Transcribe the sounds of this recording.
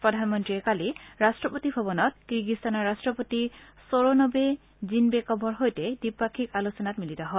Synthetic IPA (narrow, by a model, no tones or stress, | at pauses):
pɹɔdʱanmɔntɹiɛkaliɹastɹɔpotibʱɔbɔnɔt̚kɹiɹɡistanɔɹastɹɔpotisoɹonɔbe | zinbɛkɔbʱɔɹɦojtɛdipːakʰikalusɔnatmilitɔɦɔ